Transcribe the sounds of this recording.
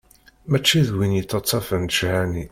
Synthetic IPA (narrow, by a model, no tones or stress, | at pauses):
mæt͡ʃːiðwinjit̪ːɑt͡sˤːɑfənd̪ʃhæni